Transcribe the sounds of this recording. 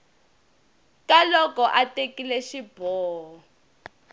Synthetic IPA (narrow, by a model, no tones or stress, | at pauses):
kalɔkɔʔatekilɛʃib̥ʱɔːɔ